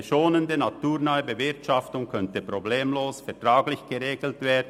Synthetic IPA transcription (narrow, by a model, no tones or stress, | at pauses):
ʃoːnəndənatuːʁnœʏəbəvɪʁtʃɑftʊŋkʰœntəpʁobleːmloːsfɛɐtʁaːɡlɪçɡ̥əʁeːɡl̩tv̥eːɐdn̩